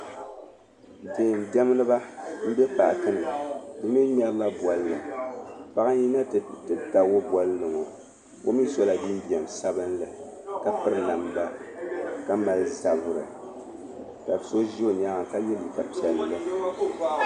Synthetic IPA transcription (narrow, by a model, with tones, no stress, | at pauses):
dɨ˨n˨dɛ˦m˦lɨ˦ba˦m̩˦bɛ˦paː˨kɨ˦nɨ˨dɨ˦mi˦ɲ˦ɛ˦ɾla˦bwɔ˦lːɨ˨pa˦ɣa˦ji˦na˦ttɨ˨ta˨wo˦bɔ˦lːɨ˨ŋo˨ | bo˦mi˦so˦la˨bi˦m˦bi˨ɛ˨m˨sa˦bɨ˦nlɨ˨ | ka˦pɨ˦ɾɨ˦na˨mba˦ | ka˦ma˦lza˨vʊ˨ɾɨ̰˨ | ta˨bso˦ʒi˦o˨ɲaː˦a˨ŋ˨ka˦jɛ˦li˨ka˨pi˨ɛ˨lːɨ˦lɨ˦